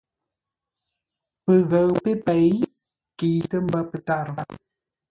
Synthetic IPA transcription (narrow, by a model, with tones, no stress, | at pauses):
pə˨ɣə˨ɰpe˦pe˨j | ki˨tə˦m̩˦bə˦pə˨ta˦˨ɾ